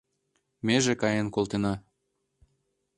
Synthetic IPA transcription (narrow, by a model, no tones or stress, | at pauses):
meʒekɑjenkolˠt̪enɑ